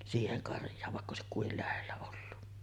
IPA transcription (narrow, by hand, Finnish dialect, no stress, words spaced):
siːheŋ kɑrjˑɑːʋ ʋɑˑekː oˑesik kuil læhelːæ olːu